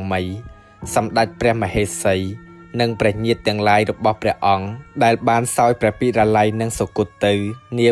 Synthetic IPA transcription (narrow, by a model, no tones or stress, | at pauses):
mɨj | sɑmɗac̚prɛ̆əhməheːsəj | nɨŋprɛ̆əhɲiət̪ːɛ̆əŋlaːjrɔɓɑhprɛ̆əhʔɑŋɗaɛlɓaːnsaɔjprɛ̆əhpiːraːlajnɨŋsokuət̪ːɨwniə